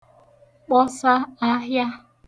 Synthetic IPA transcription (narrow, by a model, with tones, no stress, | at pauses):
k͡pɔ˦sa˦a˦ɦja˦